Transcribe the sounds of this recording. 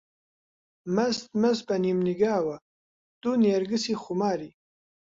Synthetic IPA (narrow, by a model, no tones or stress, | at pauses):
mɐst̪mɐsbanimniɡaːwa | d̪̥unjaɾɡəsiχumaːɾi